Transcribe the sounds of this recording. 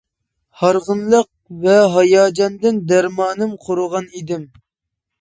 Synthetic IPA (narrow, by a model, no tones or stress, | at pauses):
hɑɾʁənlˠəq̚vɛɦɑjɑːd͡ʒɑnd̪ɨnd̪æɾmɑːnɨmqʰoɾʊʁɑnid̪ɪm